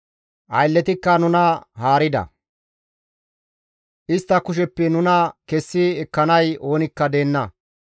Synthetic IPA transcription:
ʔɐ̰jlːɛt̪ɪkːɐnʊnɐhaːɾɪd̪ɐ̰ | ʔɪst̪ːɐkʊʃ̬ɛpːɛnʊnɐkɛsːɪɛkːɐnɐjo̞ːnɪkːɐd̪e̞ːnːɐ

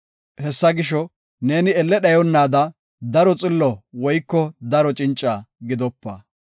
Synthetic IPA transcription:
hɛsːɐɡɪʃ̬ɔ | ne̞ːnɪɛlːɛɗɐjɔnːaːd̪ɐ | d̪ɐɾɔt͡sʼɪlːɔwɔjkːɔd̪ɐɾɔt͡ʃʼɪnt͡ʃʼːaːɡɪd̪ɔpːɐ̰

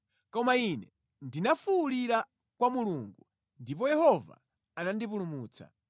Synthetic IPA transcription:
kɔmainɛ | ndinafuːliɾa | kwamuluŋɡu | ndip̬ɔjɛhɔva̰ | anandipulumuːt͡sa̰

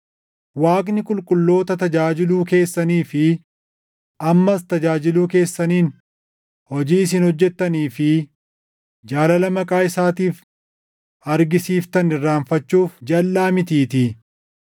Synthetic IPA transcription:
waːkʼnɪkʼʊlkʼʊlːo̞ːt̪ɐt̪ɐd͡ʒaːd͡ʒɪluːke̞ːsːɐniːfɪ | ɐmːɐst̪ɐd͡ʒaːd͡ʒɪluːke̞ːsːɐniːn | hɔd͡ʒiːɪs̬ɪnhɔd͡ʒːɛt̪ːɐniːfɪ | d͡ʒaːlɐlɐmɐkʼaːjɪsaːt̪iːf | ɐɾɡɪsiːft̪ɐnɪrːaːnfɐt͡ʃːuːfd͡ʒɐlːaːmɪt̪iːt̪ɪ

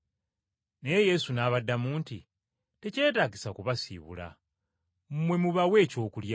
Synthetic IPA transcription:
neje̞sunaːβadːamuːnti | te̞ce̞ːtaːɡisakuβasḭːβṵla̰ | mwe̞muβawe̞ːco̞ːkulja

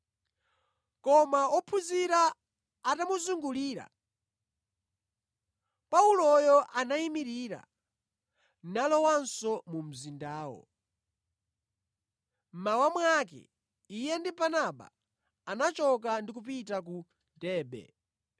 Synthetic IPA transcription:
kɔmaɔpʰuziɾaː | tamuzuŋɡuliːɾa̰ | paulɔjɔʔanaimiɾiːɾa̰ | nalɔwansɔmum̩zindaːwɔ̰ | m̩mawamwakɛ̰ | ijɛndibanaɓa̰ | anat͡ʃɔk̬andik̬upitak̬u | dɛːɓɛ̰

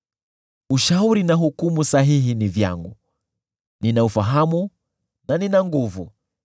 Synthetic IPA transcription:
uʃauɾinaɦukumusaɦiɦinivja̰ŋɡu | ninaufaɦamu | naninaŋɡuvṵ

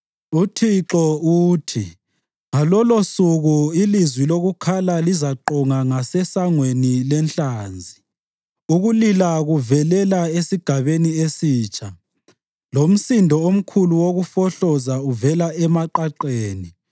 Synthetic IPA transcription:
utʰiǁɔuːtʰi | ŋalɔlosuɣuilizwiloɣukʰalalizaǃɔŋaŋasɛsaŋwenilɛnɬaːnd͡zʱi | uɣulilaɣuvɛlɛlaesiɡ̥ʱaβeniesiːt͡ʃʰʼa | lom̩sindʱɔom̩kʰuluwoɣufɔɬɔzauvɛlaɛmaǃaǃeːni

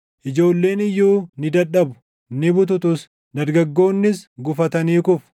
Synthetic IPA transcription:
ʔɪd͡ʒo̞ːlːe̞ːnɪjːuːnɪd̪ɐᶑɐbʊ̥ | nɪbʊt̪ʊt̪ʊs | d̪ɐɾɡɐɡːo̞ːnːɪsɡʊfɐt̪ɐniːkʊf

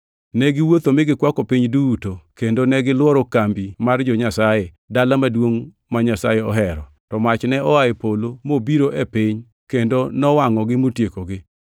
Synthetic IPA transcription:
nɛɡɪwot̪omɪɡɪkwakɔpiɲduːtokendonɛɡɪlwɔɾɔkambimard͡ʒɔɲasaje | dalamadwoŋ | maɲasajeɔɦɛɾɔtɔmat͡ʃnɛʔɔaepolomobiɾoʔepɪɲ | kendonɔwaŋɔɡɪmotjekoɡɪ

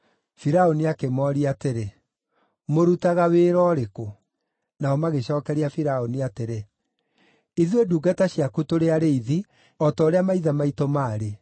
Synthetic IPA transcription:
fiɾaoniakemɔːɾiateɾe | moɾutaɣaweːɾɔːɾeko | naɔmaɣeɕɔːkɛɾiafiɾaoniateɾe | iðweduːɡataɕiakutoɾeaɾeiði | ɔtɔːɾeamaiðamaitɔmaːɾe

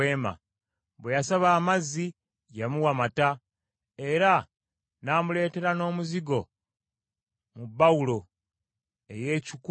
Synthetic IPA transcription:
eːma̰ | βwejasaβaːmazːi | jamuwamata | e̞ɾa | naːmule̞ːte̞ɾano̞ːmuziɡo̞ | mubaulo̞ | e̞̰je̞ːcik

